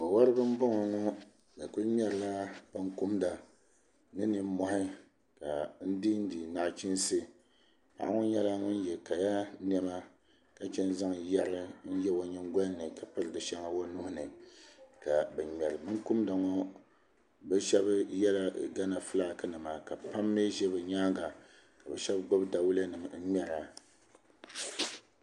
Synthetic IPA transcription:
mo˨wa˦ɾɨ˦bɨ˦m˦bo˦ŋɔ˨ŋɔ˦ | ka˨ku˦ɾm˦ɛ˦˨ɾla˦b̥a˦ŋku˦mda˨ | nɨ˦nɨ˨m̩˦mɔ˨hɪ˦ | ka˨n̩˦di˦n̩˦di˨na˦ʔt͡ʃi˦n˦sɨ˦ | ha̰˨ʔa˦ŋɔ˦ɲɛ˦la˦ŋʊ˦n˦jɛ˨ka˨ja˦n˦ɛ˦ma˦ | ka˦t͡ʃɛ˦n˦za˦ŋja˦ɾɨ˦n̩˦jɛ˦bo˨ɲi˦ŋɡɔ˦n˦nɨ˨ka˨pɨ˦ɾɨ˨dɨ˨ʃɛ˦ŋa˦wo˦nu˦hʊ˦nɨ˨ka˨bɛ˨mɛ˨ɾɨ˨mɨ˦ku˦mda˨ŋɔ˦ | bɛ˦ʃɛ˦bɨ˦jɛ˦la˦ɡa˦na˨fɨ˦laː˦˨kɨ˦nɨ˨ma˨ka˨pa˦mːe˦ʒɛ˦bɛ˨ɲaː˦ŋɡa˨ | ka˨bɛ˨ʃɛ˦bɡ͡bo˦bda˨wu˦la˦nɨ˨mn̩˦ɲɛ˦ɾa˨

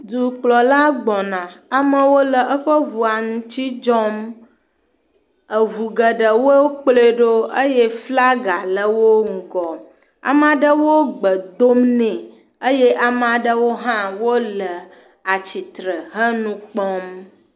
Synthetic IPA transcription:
d̪u˨k͡plɔ˨la˦ɡ͡bɔ˨nã˨a˨mə˦wo˦lə˨ʔə˦ɸə˦vu˨a˨nũ˨t͡ɕi˦d͡ʒɔ˦m | ə˨vu˨ɡə˨ɖə˨wo˦k͡ple˦ɖo˦ə˦je˦fla˦ɡa˨lə˦wo˦ŋ̩˨ɡɔ˨ | a̰˨m˦a˨ɖə˦wo˦ɡ͡bə˨d̪o˦mnɛ̃˨ | ə˦jɛ˦ʔa˨ma˨ɖə˦wo˦ɦã˦wo˦lə˨ | a˨t͡ɕi˨t̪ɾə˨ɦə˦nũ˦k͡pɔ˦m

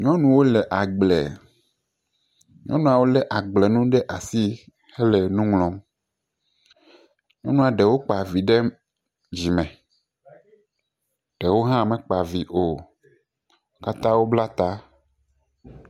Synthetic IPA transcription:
ɲɔ̃˦nũ˨wo˦lɛ˨ʔa˨ɡ͡blɛ̰˨ | ɲɔ̃˦nũ˦a˨wo˦lɛ˦ʔa˨ɡ͡blɛ˨nũ˦ɖɛ˦ʔa˨si˦ | hɛ˦lɛ˨nũ˦ŋlɔ̃˨˦m | ɲɔ̃˦nũ˦a˨ɖɛ˨wo˦k͡pa˨vi˨ɖɛ˦ | d͡ʑi˨mɛ̃˨ | ɖ̥ɛ˨wo˦ɦã˦˨mɛ̃˨k͡pa˨vi˨ʔo˨˦ | ka˦t̪ã˦wo˦bla˦t̪a˦

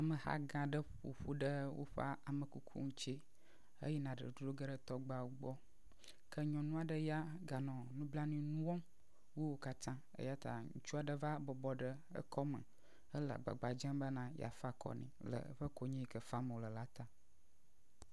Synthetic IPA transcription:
a˨mə̃˨ha̰˦ɡã˨ɖə˦ɸu˨ɸu˦ɖə˦wo̰˦ɸa˦a˨mə̃˨ku˦kʰṵ˦ŋũ˦t͡ʃe˦ | ə̰˦jɛ˦nã˨ɖə̰˨do˦ɖo˦ɡə˦ɖə˦t̪ɔ˦ɡ͡ba˨wu˦ɡ͡bɔ˦ | kʰə˦ɲɔ̃˨nũ˦a˨ɖə˦ja˦ɡa˨nɔ̃˨nũ˦bla˦nĩ˨nũ˦wɔ̃˦m | wo˦wo˦ka˦t̪ã˦ | ə̰˦ja˦t̪a̰˨ŋũ˦t͡ʃu˦a˨ɖə˦va˦bɔ˨bɔ˦ɖə˦ | ə̰˦kɔ˦mə̰̃˨ | ə˦lə˨a̰˨ɡ͡ba̰˨ɡ͡ba˨d͡ʒə̃˦mbə˦nã˨ja̰˨fa˦kʰɔ̰˨nḭ̃˨lə̰˨˦ɸə˦ko˦ɲĩ˦˨kə˨fa˦mə˨wo˨lə˨la˦t̪a˨

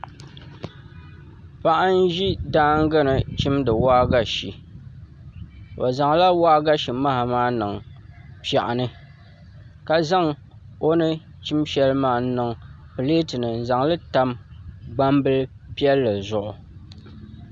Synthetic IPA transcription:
pa˦ʔa˦n̩˦ʒi˦daː˦ŋ̩˦ɡɨ˦nɨ˨t͡ʃi˦mdɨ˨waː˦ɡa˨ʃi˨ | o˨za˨ŋla˦waː˦ɡa˦ʃi˨ma˦ha˨maː˦nɨ˨ŋpa˨ʔa˨nɨ˦ | ka˨za˦ŋ | o˦nɨ˦ | t͡ʃi˦mʃɛ˦lmaː˨˦n˦nɨ˨ŋ | pɨ˨leː˦tɨ˨nɨ˨n̩˨za˨ŋlɨ˦ta˦mɡ͡ba˦mbɨ˦lɨ˦ | pi˦ɛ˦lːɨ˨zʊ˨ʔʊ˨

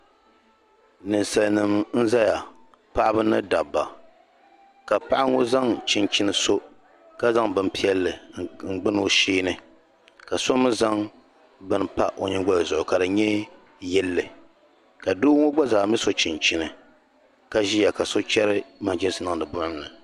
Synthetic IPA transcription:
nɨ˨nsa˨lnɨ˨mn̩˦za˦ja˨ | pa˦ʔa˦bɨ˦nɨ˦da˨bːa˨ | ka˨pa˦ʔa˦ŋo˦za˦ŋt͡ʃɪ˨nt͡ʃɪ˦nɨ˨so˦ | ka˦za˦ŋbɨ˦npi˦ɛ˦lːɨ˨ŋ͡m̩˨ɡ͡bɨ˦n˦o˦ʃiː˦nɨ˦ | ka˨so˦mɨ˦za˦ŋ | bɨ˦npa˦ʔo˨ɲɪ˦ɡ͡ba˦jzʊ˨ʔʊ˨ka˨dɨ˨ɲɛ˦ | jɛ˦lːɨ˨ | ka˨duː˦ŋo˦ɡ͡ba˦zaː˨mɨ˦so˦t͡ʃɪ˨nt͡ʃɪ˦nɨ˨ | ka˦ʒi˦ja˨ka˨so˦t͡ʃɛ˦ɾɨ˦ma˨d͡ʒɛ˦sɨ˨na˦ŋ˨dɨ˨bʊ˦ɾɨ˦mnɨ˨

